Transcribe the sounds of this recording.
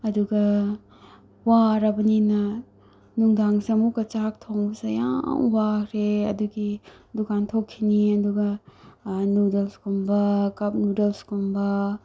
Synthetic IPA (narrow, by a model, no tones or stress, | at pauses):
ɐduɡɐ | waɾabɐninɐ | nuŋdaŋsiɐmukɐt͡ʃak̚tʰoŋbɐsɐja̰ŋwakʰɾeɐ̰duɡidukantʰokʰːiniɐduɡɐ | nudelskumbɐkɐp̚nudelskumbɐ